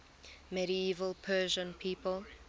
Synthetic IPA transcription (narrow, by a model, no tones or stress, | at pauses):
mɛɾiiːvəlˠpʰɜːʒə̃npʰiːpəlˠ